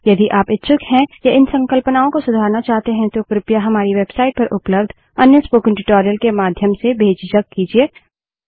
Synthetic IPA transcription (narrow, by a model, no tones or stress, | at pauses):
jɐd̪iʔaːpɪtːʃʰʊkɦɛ̃jaʔɪnsɐ̃ŋkəlpənaːõkosʊd̪ʱaːɾnat͡ʃaːɦt̪eɦɛ̃t̪okɾɪpjaɦɐmaːɾiʋeːbsaːɪʈ̚pɐɾʔʊpləbd̪ʱ | ɐnjəspoːkɪ̃nʈɪʈɔːɾijəlkemaːd̪ʱjəmsebʱeːd͡ʒd͡ʒɐkkiːd͡ʒieː